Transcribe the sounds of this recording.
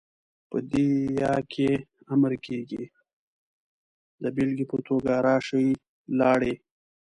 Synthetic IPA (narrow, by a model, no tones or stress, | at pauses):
pə̰d̪ijɑkʰe | aməɾkʰeɡḭ | d̪əbɪlɡipət̪oɡaɾɑʃəj | lɑɽe